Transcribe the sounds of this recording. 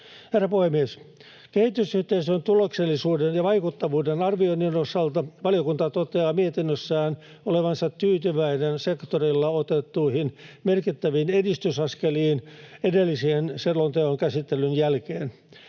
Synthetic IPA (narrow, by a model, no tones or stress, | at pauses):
herːɑpuhemːies | kehit̪ysyht̪eisønt̪ulokselːisuːdenjɑʋɑikut̪ːɑʋuːdenɑrʋionːinosɑlt̪ɑʋɑlijokunt̪ɑt̪ot̪eɑːmiet̪inːøsːæːn | oleʋɑnsɑt̪tyːt̪yʋæinensekt̪orilːɑot̪et̪ːuihinmerkit̪ːæʋinedist̪ysɑskeliːnedelːisienselːont̪eoŋkæsit̪ːelːynjælkeːn